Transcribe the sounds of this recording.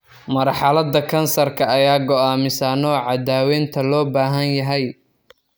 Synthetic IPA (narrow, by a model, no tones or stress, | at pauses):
mɐrħɑlɐd̪ɐkʰɐnsɐrkʰɐɐjaːɡɔaːmɪsaːnɔːʕɑd̪aːwɛːnt̪ʰɐlɔːbaːɦɐnjɐɦɛj